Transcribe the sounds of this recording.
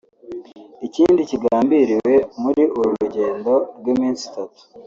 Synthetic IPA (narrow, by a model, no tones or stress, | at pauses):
iciːndiciɡaːmbiɾiwe̞muɾiʔuɾuɾuɟe̞ːndo̞ɾɡwimiːnsi̥tatu̥